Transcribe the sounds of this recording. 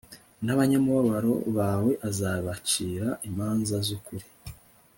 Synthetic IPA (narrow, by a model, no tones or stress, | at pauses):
naβaɲamuβaβaɾo̞̰βawe̞ʔazaβaciːɾaʔimaːnzazukuɾi